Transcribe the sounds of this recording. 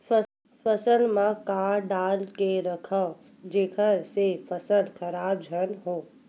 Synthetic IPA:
pʰəsəlmãkaːɾɖaːlkeɾɐkʰə | d͡ʒekʰəɾsepʰəsəlkʰɐɾaːbd͡ʒʱənɦoː

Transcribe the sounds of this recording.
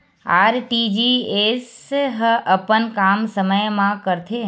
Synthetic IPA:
aɾʈid͡ʒiesɦəʔəpənkamsəməjmãkəɾt̪ʰe

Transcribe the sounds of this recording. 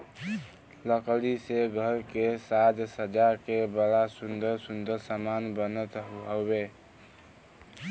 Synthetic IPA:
ləkliseɡʱəɾkesad͡ʒ̪səd͡ʒakebəɾasund̪əɾsund̪əɾsamanbənət̪ɦəbe

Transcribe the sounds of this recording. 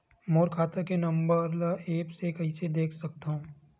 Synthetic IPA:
moːɾkʰaːt̪akenɐ̃mbəɾleːpsekɐɦised̪eːkʰsɐk̚t̪aɦũː

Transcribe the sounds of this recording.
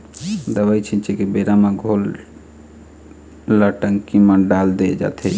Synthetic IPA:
d̪əbajt͡ʃʰĩnt͡ʃʰikibeɾamãɡʱol | əʈəŋkimə̃ɖald̪ed͡ʒa̰t̪ʰe

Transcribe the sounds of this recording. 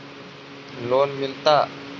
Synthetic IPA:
lonmint̪aʔ

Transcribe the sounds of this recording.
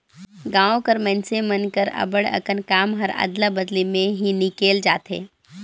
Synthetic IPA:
ɡãːõkəɾmənsemənkəɾɐ̰bəɽə̰kənkaːmɦəɾa̰d̪labəd̪limẽɦinɪkeːld͡ʒaːt̪ɦḛː

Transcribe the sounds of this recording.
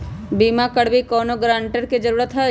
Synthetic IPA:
biːmakəɽbikɔːnoɡɾãːɳʈəɾkid͡ʒəɾuːɾət̪ɦɛ

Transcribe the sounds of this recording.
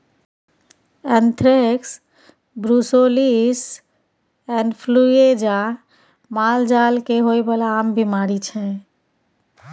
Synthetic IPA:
ɛnt̪ʰɾeks | bɾusolis | ɛnɖpʰlued͡ʒa | mald͡ʒalkeɦoebəlaːmbʱimaɾit͡ʃʰɛ̃

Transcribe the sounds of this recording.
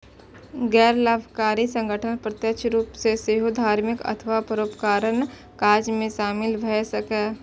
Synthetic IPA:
ɡɛːɾlaːbʱkaːɾisə̃ŋɡʱəʈʰənpɾət̪jəkʃɾuːpseseɦod̪ʱaːɾmɪkə̰t̪ʰəʋapəɾoːpkaːɾən | kaːd͡ʒmẽʃaːmɪlʋʱɛsəkɛː

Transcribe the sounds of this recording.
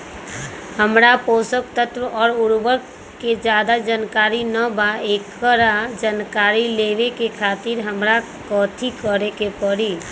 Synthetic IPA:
həmɾaposəkt̪ət̪ɾəɔːɾuɾbəɾ | ked͡ʒad̪ad͡ʒankaɾinəbaekːəɾad͡ʒankaɾileʋekekʰat̪iɾɦəmɾa | kɔt̪ʰikəɾekepəɾi

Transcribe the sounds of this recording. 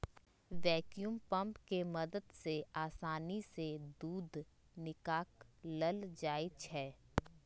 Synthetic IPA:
ʋɛːkjumpɐ̃mpkemɐd̪əd̪seaːsaːnised̪uːd̪ | nɪkaːkləld͡ʒaːit͡ʃʰɛː

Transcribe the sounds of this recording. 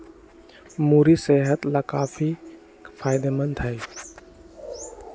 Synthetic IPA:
muːɾiseːɦət̪lakaːfʰi | kfʰaːjɪd̪emə̃nt̪ɦɛ

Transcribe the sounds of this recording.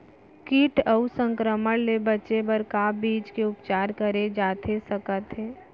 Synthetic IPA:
kiːʈəusə̃ŋkɾəməɽlebɐːt͡ʃebəɾkaːbiːd͡ʒkeʊpt͡ʃaːɾkəɾed͡ʒaːt̪ʰesəkət̪ɦeː

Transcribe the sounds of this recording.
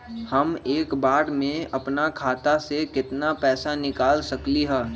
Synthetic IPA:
hɐmeːkbaːɽmẽɐpnakʰaːt̪asekɪt̪napɛːsanɪkaːlsɐkliɦɛː

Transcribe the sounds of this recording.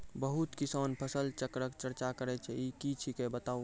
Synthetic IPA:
bəɦut̪kisanpʰəsəlt͡ʃəkɾəkt͡ʃəɾt͡ʃakəɾɛt͡ʃʰɛikit͡ʃʰikebət̪au

